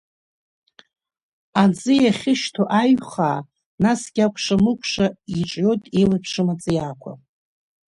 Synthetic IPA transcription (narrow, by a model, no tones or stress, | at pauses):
ad͡zʼɨjaχʲɪʃtʰoʔaɥχa̰ː | nasɡʲakʷʰʂamɨkʷʰʂaiʈ͡ʂʼjo̞jtʼelapʰʂɨmat͡sʼɨjakʷʰa̰